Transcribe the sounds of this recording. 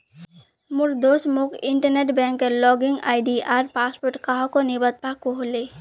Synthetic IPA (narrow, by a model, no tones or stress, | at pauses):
mʊɾd̪osmukɪɳʈəɾneʈbɛ̃ŋkːelɔɡiŋɡa̰ːɪɖiaɾpaːspoɾʈkaɦɔkonibət̪̚pakoɦle